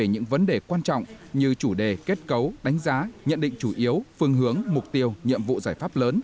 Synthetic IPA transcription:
e˧˩ɲɨ̰˧˥ŋvə˨˦nɗe˨˩kwaː˧nt͡ɕɔ̰˧˨wŋ͡m | ɲɨ˧t͡ɕu˧˩ɗe˧˩ke˦˥t̚kə˨˦wɗa˨˦jŋ̟zaː˨˦ɲə̰˧˨nɗḭ˧˨ŋ̟t͡ɕu˧˩ʔi˨˦əwfɨ˧əŋɦɨ˨˦əŋmʊ˨˩k͡p̚t̪i˧əwɲḭ˧˨əmvṵ˧˨zaː˧˩jfaː˦˥p̚ləː˨˦n

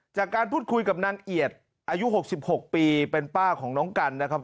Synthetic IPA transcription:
t͡ɕaː˨˩kːaː˧npʰuː˥˩t̪̚kʰu˧jka˨˩p̚naː˧ŋʔi˨˩ət̪̚ | ʔaː˧ju˦˥ɦo˨˩k̚si˨˩p̚ho˨˩k̚piː˧pe˧npaː˥˩kʰɔː˩˦ŋnɔː˦˥ŋka˧nːa˦˥kʰa˦˥p̚

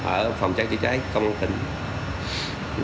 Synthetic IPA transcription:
ʔəː˧˩fa˨˩wŋ͡mt͡ɕaː˦˥t͡ɕi˧˥t͡ɕaː˨˦jkə˧wŋ͡ma˧t̪ï˧˩˨ŋ

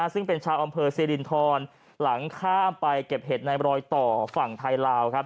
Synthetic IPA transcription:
sɯ˥˩ŋpe˧nt͡ɕʰaː˧wʔa˧mpʰɤː˧siː˧li˨˧˩nt̪ʰɔː˧n | la˩˦ŋkʰaː˥˩mpa˧jke˨˩p̚ɦe˨˩t̪̚na˧jɾɔː˧jt̪ɔː˨˩fa˨˩ŋt̪ʰa˧jlaː˧wkʰa˦˥p̚

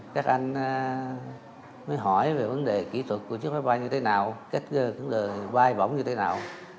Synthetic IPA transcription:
kaː˦˥k̚ʔa˧jŋ̟ː˧ | məː˨˦jɦɔ˧˩jve˨˩və˨˦nɗe˨˩kḭ˧˩t̪ʰwə˨˩t̚ku˧˩˦t͡ɕɨ˦˥k̚faː˨˦jvɓaː˧jɲɨ˧t̪ʰe˨˦naː˨˩wka˦˥jk̟̚ːkə˨˦zəː˨˩vaː˧jɓə̰˧˩wŋ͡mɲɨ˧t̪ʰe˨˦naː˨˩w

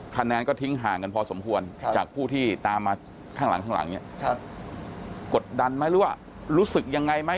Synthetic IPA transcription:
kʰa˧nːaː˧nkɔː˥˩t̪ʰi˦˥ŋɦaː˨˩˦ka˧npʰɔː˧so˩˦mkʰu˧ənt͡ɕa̰ː˨˩k̚pʰuː˥˩t̪ʰiː˥˩t̪aː˧mːaː˧ | kʰaː˥˩ŋla˩˦ŋkʰa˥˩la̰˩˦ŋni˥˩ | ko˨˩t̪̚da˧nma˦˥jɾɯː˨˦˥waː˥˩ | ɾuː˦˥sɯ˨˩k̚ja˧ŋːa˧jma˦˥

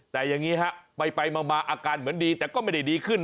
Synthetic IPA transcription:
t̪ɛː˨˩ja˨˩ŋːiː˦˥ɦa˦˥ʔpa˧jpa˧jmaː˧maː˧ʔaː˧kaː˧nmɯ˩˦əndiː˧t̪ɛː˨˩kɔː˥˩ma˥˩jda˥˩jdiː˧kʰɯ˥˩n

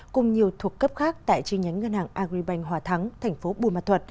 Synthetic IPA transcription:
kʊ˨˩ŋ͡mɲi˨˩əwt̪ʰu˨˩əkːə˦˥p̚xaː˦˥k̚t̪a̰ː˧˨jt͡ɕi˧ɲa˨˦jŋ̟ŋə˧nhaː˨˩ŋʔaː˧ɣɾi˧ɓa˧jŋ̟ɦwaː˨˩t̪ʰa˨˦ŋt̪ʰɛ˨˩jŋ̟fo˨˦ɓu˧˩ma˨˩t̪ʰwə˨˩t̚

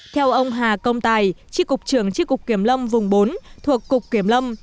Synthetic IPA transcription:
t̪ʰɛ˧wʔə˧wŋ͡mɦaː˨˩kə˧wŋ͡mt̪aː˧˩jt͡ɕi˧˥kʊ˨˩k͡p̚t͡ɕɨ˧˩əŋt͡ɕi˧˥kʊ˨˩k͡p̚ki˧˩əmlə˧mvʊ˨˩ŋ͡mɓo˨˦nt̪ʰu˨˩əkːʊ˨˩k͡p̚kːi˧˩əmlə˧m

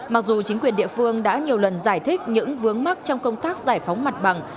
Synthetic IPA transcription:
ma˨˩k̚zu˨˩t͡ɕi˨˦ŋ̟kwi˨˩ənɗḭ˧˨əfɨ˧əŋɗa̰ː˧˥ɲi˨˩əwlə˨˩nzaː˧˩jt̪ʰï˦˥k̟̚ɲɨ̰˧˥ŋvɨ˨˦əŋma˦˥k̚t͡ɕɔ˧wŋ͡mkə˧wŋ͡mt̪aː˦˥k̚zaː˧˩jfa˨˦wŋ͡mma˨˩t̚ɓa˨˩ŋ

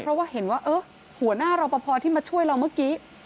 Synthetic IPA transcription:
ɾɔ˦˥waː˥˩he˩˦nwaː˥˩ʔɤː˧˦˥ | hu˩˦ənaː˥˩ɾa˧wpa˧pʰɔː˧t̪ʰiː˥˩maː˧t͡ɕʰu˥˩əjɾa˧wmɯ˥əkiː˦˥

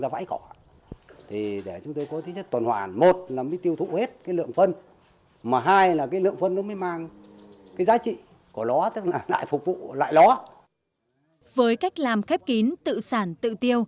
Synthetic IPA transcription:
zaː˧va̰˧˥jkɔ˧˩ | t̪ʰi˨˩ɗe˧˩t͡ɕʊ˨˦ŋ͡mt̪o˧jkɔ˨˦t̪ʰi˨˦t͡ɕə˦˥t̪ə˨˩nhwaː˧˩nmo˨˩t̚laː˨˩məː˨˦jt̪i˧əwt̪ʰṵ˧˨he˦˥t̚kaː˨˦jlɨ̰˧˨əŋfə˧n | maː˨˩ɦaː˧jlaː˨˩kaː˨˦jlɨ̰˧˨əŋfə˧nkɔ˧˨˦məː˨˦jmaː˧ŋ | kaː˨˦jzaː˨˦t͡ɕḭ˧˨ | kɔ˧˩lɔ˨˦t̪ɨ˦˥k̚laː˨˩la̰ː˧˨jfʊ˨˩k͡p̚vṵ˧˨la̰ː˧˨jlɔ˨˦ | vəː˨˦jka˦˥jk̟̚laː˨˩mxɛ˦˥p̚ki˨˦nt̪ɨ̰˧˨saː˧˩nt̪ɨ̰˧˨t̪i˧əw

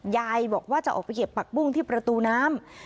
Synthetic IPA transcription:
jaː˧jbɔː˨˩k̚waː˥˩t͡ɕa˨˩ʔɔ̰ː˨˩k̚ʰa˧jke˨˩pːa˨˩k̚bu˥˩ŋt̪ʰiː˥˩pɾa˧t̪uː˧naː˦˥m

